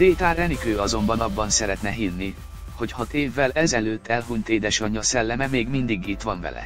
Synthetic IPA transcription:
d̪eːt̪aːɾɛnikøːɒzo̞mbɒnɒbːɒnsɛɾɛt̪nɛɦinːi | ho̞chɒt̪eːvːɛlɛzɛløːt̪ːɛlɦunt̪eːd̪ɛʃɒɲːɒsɛlːɛmɛmeːɡmind̪iɡit̪ʋɒɱvɛ̰lɛ̰

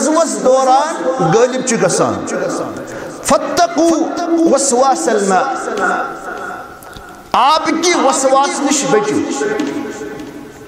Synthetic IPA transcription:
zwɐsd̪oːɾaːnɡɐːlib̚t͡ʃʰiɡɐsa̰ːnː | fɐt̪ːɐquːwɐswaːsɐlmaː | aːbkiwɐswaːsniʃbɐt͡ʃṵ

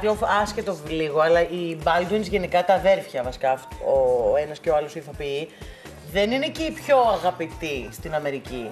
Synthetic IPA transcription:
plofɐsce̞t̪o̞vliɣo̞ɐlɐʔibɐld̪uinizʝe̞nikɐt̪ɐðe̞ɾfçɐvɐsi̥kɐoenɐsce̞oɐlo̞siθopii | ðe̞nineceipço̞ɐɣɐpit̪ist̪inɐme̞ɾici

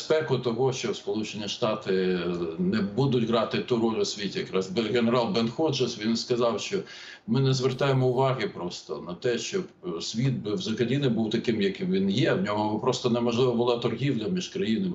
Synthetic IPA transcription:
spɛkʊt̪ɔɦɔʃt͡ʃɔwspɔlˠut͡ʃenʲiʃt̪ɑt̪ɪnɛbud̪ʊtʲɦɾɑt̪ɪt̪uɾɔlʲɔsʲʋʲitʲijɐkɾɑzbɣeneɾɑlˠbɛnxɔd͡ʒɐsʋʲinskɐzɑwʃt͡ʃɔ | mɪnɛzʋert̪ɑjemɔʊʋɑɦɪpɾɔst̪ɔ̰nɐt̪ɛʃt͡ʃɔbsʲʋʲit̪̚bɪwzɐkɐlʲinɪbuwt̪ɐkɪmjɐkɪmʋʲinjɛd̪nʲɔɦɔpɾɔst̪ɔnɛmɔʒlˠɪʋɐbʊlˠɑt̪ɔrɦʲiwlʲɐmʲiʒkɾɐjinɐm

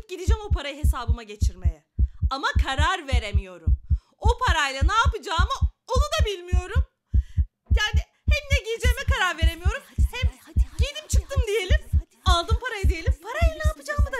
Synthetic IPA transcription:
ɟid̪id͡ʒɛmo̞pʰaɾajɯɦe̞saːbɯmaɟe̞t͡ʃʰiɾmḛjɛamakʰaɾaɾve̞ɾemijo̞ɾum | o̞pʰaɾajlˠanaːpɯd͡ʒaːmɯo̞nud̪abilʲmijo̞ɾum | jaːnɪ | hɛmnɛɟijid͡ʒejmɛkaɾaɾve̞ɾemijo̞ɾumhɛmɟed̪ʲimt͡ʃʰɯk̚t̪ɯmd̪ije̞lʲim | alˠd̪ɯmpʰaɾajɯd̪ije̞lʲimpʰaɾajlanaːpɯd͡ʒaːmɯd̪a

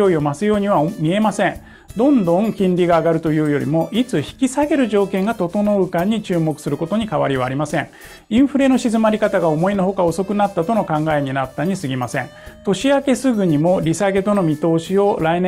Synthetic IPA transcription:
oio̞masɨjo̞ːɲ̟iβamʲie̞masẽ̞ | d̪õ̞nd̪õ̞ŋkʲĩnɾʲiɡaːɡaɾɯ̟t̪o̞jɯ̟ːjo̞ɾʲḭmo̞ʔit͡sɨçi̥kʲisaɡe̞ɾɯ̟ʑo̞ːkẽŋɡat̪o̞t̪o̞no̞ɯ̟kaɲ̟ːit͡ɕɨːmo̞kɯ̟̥sɨɾɯ̟ko̞t̪o̞ɲ̟ikaβaɾʲiβa̰ːɾʲimasẽ̞ŋ | ĩɰ̃ɸɯ̟ɾe̞no̞ɕizɨmaɾʲikat̪aɡao̞mo̞ino̞ɦo̞kao̞so̞kɯ̟nat̪ːat̪o̞no̞kãŋɡae̞ɲ̟inat̪ːaɲ̟isɨɡʲimasẽ̞̰ŋ | t̪o̞ɕiake̞sɨɡɯ̟ɲ̟imo̞ɾʲisaɡe̞t̪o̞no̞mʲit̪o̞ːɕio̞ɾain

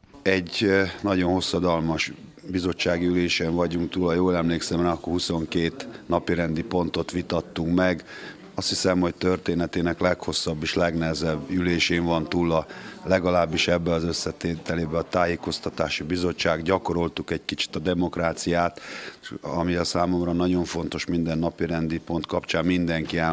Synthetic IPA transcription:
ɛɟnɒɟo̞nho̞sːɒd̪ɒlmɒʃ | bizo̞t͡ʃːaːɡiyleːʃeːɱvɒɟuŋkt̪uːlːɒjoːlɛmleːksɛmɛɒkohuso̞ŋkeːt̪nɒpiɾɛnd̪ipo̞nt̪o̞t̪ʋit̪ɒt̪ːuŋkmɛɡ | ɒst̪hisɛmho̞c̚t̪ø̞rt̪eːnɛt̪eːnɛklɛkho̞sːɒbːeːʃlɛɡnɛɦɛzɛbːyleːʃeːɱvɒnt̪uːlːɒlɛɡɒlaːbːiʃɛbːɛɒzø̞sːɛt̪eːt̪ɛleːbɛɒt̪aːjeːko̞st̪ɒt̪aːʃibizo̞ːaːɡɟɒko̞ɾo̞lt̪ukɛɟkit͡ʃi̥t̪ɒd̪ɛmo̞kraːt̪sijaːt̪ | ɒ̰miɛlsaːmo̞mrɒnɒɟo̞ɱfo̞n̪t̪o̞ʃmind̪ɛnːɒpiɾɛnd̪ipo̞nt̪kɒpt͡ʃaːmmind̪ɛŋkiɛ

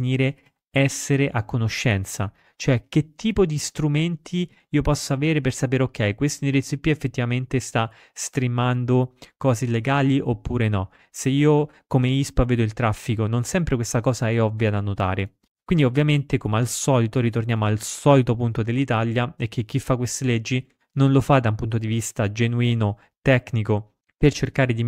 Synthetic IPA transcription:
niːɾe | ɛsːeɾeʔakːonoʃːɛnt̪sa | t͡ʃoɛk̟ːet̪ːiːpod̪ist̪ɾument̪ʰi | iːopɔsːoaveːɾepersapeːɾeokːɛjkwest̪oneɾit̪sipːiefːet̪ːivament̪est̪a | st̪ɾimand̪okɔːzeleɡaːliʔopːuːɾenɔ | seiːo | komeispaveːd̪oilt̪ɾafːikononsɛmpɾekwest̪akɔːzaɛɔvːjad̪anːot̪a̰ːɾe | kwind̪iovːjament̪ekomealsɔːlit̪oɾit̪ornjaːmoalsɔlit̪opunt̪od̪elːit̪aljaɛk̟ːek̟ːifːakːwest̪eled͡ʒːi | nonlofad̪ampunt̪od̪ivist̪ad͡ʒenuiːno | t̪ɛkːniko | pert͡ʃerkaːɾed̪i

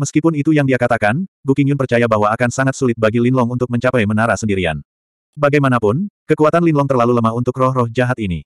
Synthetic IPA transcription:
məskipʊnit̪ujaŋdiakat̪akanbukiŋjʊnpərt͡ʃajabaɦwaːkansaŋat̪sulɪt̪̚baɡilinlɔŋunt̪ʊk̚məɲt͡ʃapɛjmənaɾasəndiɾia̰n | baɡajmanapʊnkəkuat̪anlinlɔŋt̪ərlaluləmaɦunt̪ʊkrɔhrɔhd͡ʒaɦat̪inḭ

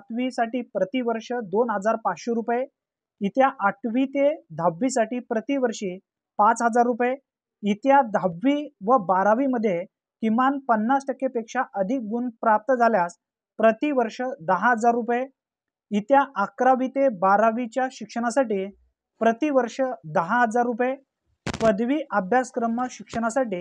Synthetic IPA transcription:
t̪ʋisaʈiːpɾət̪iʋəɾʂəd̪onɦəd͡zaɾpat͡sɕeɾupje | it̪jaʔaʈʰʋit̪ed̪ʱabːisaʈiːpɾət̪iʋəɾʂiː | pat͡sɦəd͡zaɾːupje | it̪jad̪ʱabʋiːʋəbaɾaʋiməd̪ʱːje | kimʋanpənːasʈəkepekʂaʔəd̪ʱik̚ɡunpɾap̚t̪əd͡zʱaljas | pɾət̪iʋəɾʂəd̪əɦaɦəd͡zaɾːupje | it̪jaʔakɾaʋit̪ebaɾaʋit͡ɕjaɕikʂəɽ̃asaʈiː | pɾət̪iʋəɾʂəd̪əɦaɦəd͡zaɾːupje | pəd̪ʋiːʔabʱjaskɾəməɕikʂəɽ̃asaʈiː

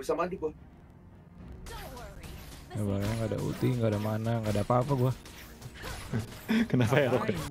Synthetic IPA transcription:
bisamadiɡua | ŋabaɾaaŋɡada̰ṵt̪iŋɡadamanaŋɡadapapaɡua | kənapajaɾɔka

